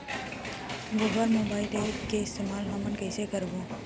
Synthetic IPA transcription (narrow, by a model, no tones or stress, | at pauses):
ɡoːbəɾmoːbaːɪlʈeːkeɪst̪eːmaːlɦəmənkəɪsekəɾʋõː